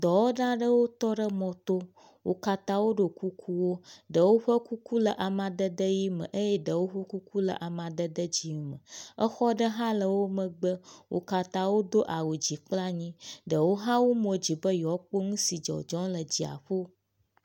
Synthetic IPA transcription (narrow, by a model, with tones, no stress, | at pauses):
d̪ɔ˨wo˦ɖã˦ɖə˦wo˦t̪ɔ˦ɖə˦mɔ̃˨t̪o˦ | wo̰˦ka˦t̪ã˦wo˦ɖo˨ku˦kʰu˦wo˦ɖə˨wo˦ɸə˦ku˦ku˦lə˨ʔa˨mã˨d̪ə˦d̪ə˦ji˦mə̰̃˨ʔə˦jɛ˦ɖə˨wo˦ɸə˦ku˦ku˦lə̰˨ʔa˨mã˨d̪ə˦d̪ə˦d͡ʑi˨ŋu˦mə̃˨ə˦xɔ˦ɖə˦ɦã˦lə˨wo˦mə̃˨ɡ͡bə˦wo̰˦ka˦t̪ã˦wo˦d̪o˦ʔa˨wo˨d͡ʑi˨k͡pla˦ɲĩ˦ɖə˨wo˦ɦã˦wo˦mõ˨d͡ʑi˨bə˦jɔ˨˦k͡po˦ŋũ˦si˨d͡ʒɔ̰˨d͡ʒɔ̃˦lə˨d͡ʑi˨a̰˨ɸo˦